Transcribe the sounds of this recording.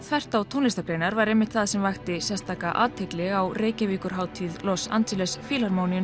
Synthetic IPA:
θvɛr̥t̪awt̪ʰonɪst̪akɾeːjnaɾvaɾejmːɪht̪θaðsɛmvajxt̪ɪsɛst̪aːkaʔa̰ːt̪ʰeklɪɣawreːjcaviːkʏɾ̥ɦaːwt̪ʰiːðlɔsa̰nt̪ɪlɛsfiːlaɾmoːwniʏn

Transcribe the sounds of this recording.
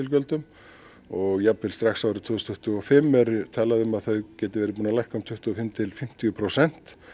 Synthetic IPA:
ɪlkœlt̪ʏm | ɔɣjapvɪlst̪ɾaxsawɾɪt̪ʰʏːʏst̪ʰʏht̪ʏɔfɪmːɛɾt̪ʰaːlaðʏmaðθœðcɛːt̪ɪvɛːɾɪpuːnalajhkaʊmt̪ʰʏht̪ʏɔfɪmt̪ʰɪlfɪm̥t̪ʰijʏpʰɾowsɛn̥t̪

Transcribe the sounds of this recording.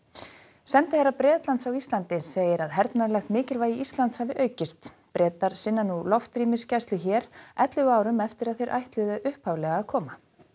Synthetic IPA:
sɛnt̪ɪhɛɾːapɾɛːt̪lant̪sawist̪lant̪ɪseːjɪɾaðɦɛɾt̪naɾlɛxt̪mɪːcɪlvaːjiist̪lant̪shavɪʔœːɥcɪst̪ | pɾɛːt̪aɾ̥sɪnːanːulɔft̪ɾiːmɪscajst̪lʏçɛːɾɛt̪lʏaːwɾʏmɛft̪ɪɾaðθejɾʔa̰jht̪lɪðʏʔʏhphawvlɛɣaːðkʰɔːma

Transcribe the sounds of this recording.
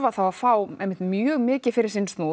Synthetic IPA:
vaθawaðfaːwɛjmɪht̪mjœːɣmɪːcɪfɪɾɪɾsinst̪noː

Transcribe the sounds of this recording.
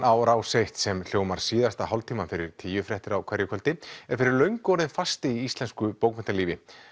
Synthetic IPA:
ʔawɾaːwsejht̪sɛml̥joːwmaɾ̥siːðast̪aɦawlt̪ʰiːmanfɪɾɪɾ̥t̪ʰiːjʏfɾɛht̪ɪɾawkʰvɛɾjʏkʰœlt̪ɪɛɾ̥fɪɾɪɾlœɥŋkɔɾɪnfast̪ɪiist̪lɛnskʏpoːwkmɛnt̪aɾliːvɪ

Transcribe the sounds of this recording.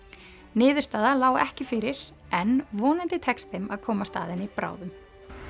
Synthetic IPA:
nɪːðʏɾst̪aːðalaːwɛhcɪfɪɾɪɾ̥ | ɛnvɔːnɪnt̪ɪt̪ʰɛkst̪θɪmaðkʰɔːmast̪a̰ːðɪnɪipɾa̰ːwðʏm

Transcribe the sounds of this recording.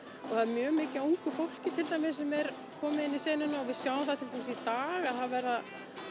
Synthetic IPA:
ɔɣθaðɾmjœːmɪːcɪuŋkʏfowl̥cɪt̪ʰɪlt̪ajmɪs̬ɛmɛɾ | kʰɔːmɪɪnːisɛːnɪnaɔvɪðsjaːwəmθaðt̪ʰɪlt̪ʰajmɪsit̪aːɣaðθaðvɛɾða

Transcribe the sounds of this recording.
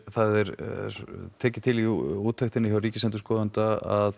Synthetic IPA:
θaðɛɾ | t̪ʰɛːcɪt̪ʰɪliuːt̪ʰːɛxt̪ɪnɪçawɾiːcɪsɛnʏ̥skɔːðant̪aa̰ð

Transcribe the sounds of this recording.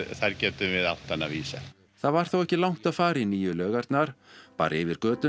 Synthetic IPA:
θaɾcɛːt̪ʏvɪðawt̪ːanːaviːsa | θaðvaɾ̥θowɛhcɪlawŋ̥t̪aðfaːɾɪiniːjʏlœːɣaɾt̪naɾ̥pa̰ːɾʔɪvɪɾkœːt̪ʏ

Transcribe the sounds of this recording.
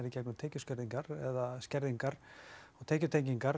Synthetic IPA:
ɾɪcɛknʏmt̪ʰeːjcʏscɛɾðiŋkaɾɛðascɛɾðiŋkaɾɔɣt̪ʰeːjcʏt̪ʰejɲciŋkaɾ

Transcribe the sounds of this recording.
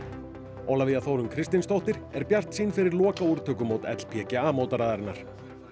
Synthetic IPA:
owlavɪðaθowɾʏmkʰɾɪst̪ɪnst̪owht̪ɪɾ̥ɛɾpjar̥t̪siːnfɪɾɪɾlɔːkauɾt̪ʰœːkʏmoːwt̪ɛ̰t̪l̥pʰjɛːcɪaːmoːwt̪aɾaːðaɾɪnːaɾ̥

